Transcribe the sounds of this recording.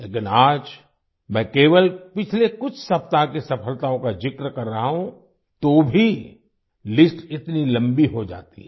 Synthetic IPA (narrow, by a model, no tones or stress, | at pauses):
leːkɪnaːd͡ʒ | mɛ̃ːkeːʋəlpɪt͡ʃʰlekʊt͡ʃʰsɐp̚t̪akisɐpʰəlt̪aːõkad͡ʒɪkɾəkɐɾːɐɦaɦũ | t̪obʱi | lɪsʈɪt̪nilɐ̃mbiɦod͡ʒa̰ːt̪ḭɦɛ